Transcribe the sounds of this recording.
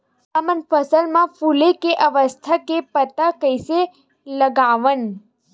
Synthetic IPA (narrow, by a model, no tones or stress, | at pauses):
əmənfəsəlmãfulekeʔəʋəst̪ʰakepət̪əkəjse | ləɡaʋən